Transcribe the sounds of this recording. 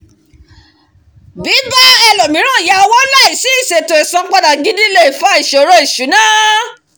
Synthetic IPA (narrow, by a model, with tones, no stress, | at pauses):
bi˨˦ba˦ɛ˧lɔ˨mĩ˨˦ɾ̃ũ˦˨ja˧wɔ˦la˦˨i˨si˦i˦˨se˨to˨e˨sã˧˦k͡pa˧da˨ɡi˦di˦le˦i˨fa˨˦i˨ʃo˨˦ɾo˧i˨ʃu˨˦nãː˦